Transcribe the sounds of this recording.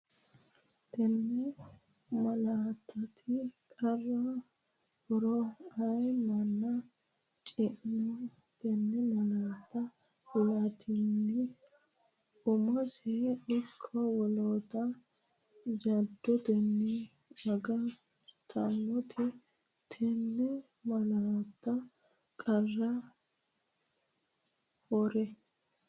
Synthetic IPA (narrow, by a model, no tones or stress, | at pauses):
t̪ɛnːɛ | mɐlaːt̪ʰːɐt̪ʰɪkʼɐrːɐ | hʊɾɔɐjmɐnːɐ | t͡ʃʼɪʔmɔ | t̪ɛnːɛmɐlaːt̪ːɐ | hʊlat̪ʰɪnːɪ | ʊmɔsɛʔɔkʰːɐwɔloːt̪ɐ | d͡ʒɐd̪ːɔt̪ɛnːi | ɐɡɐ | t̪ʰɐmːɔt̪ʰɛ | t̪ʰɛnːɛ | mɐlaːt̪ːɐ | kʼɐrːɐ | hɔɾɛ